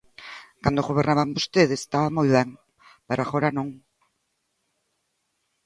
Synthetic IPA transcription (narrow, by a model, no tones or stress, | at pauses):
kand̪oɣoβeɾnaβambost̪eðest̪aβamojβɛŋ | paɾaɣoɾanõŋ